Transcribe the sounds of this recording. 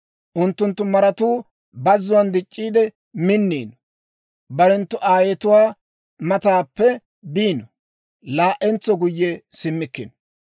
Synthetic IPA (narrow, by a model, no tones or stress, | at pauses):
ʔʊnt̪ːʊnt̪ːʊmɐɾɐt̪uː | bɐzːʊwɐnd̪ɪt͡ʃʼːiːd̪ɛ | mɪnːḭːnɔ | bɐɾɛnt̪ːʊʔaːjɛt̪ʊwaː | mɐt̪aːpːɛ | biːnɔ | laːʔɛnt͡sːɔɡʊjːɛsɪmːɪkːɪnɔ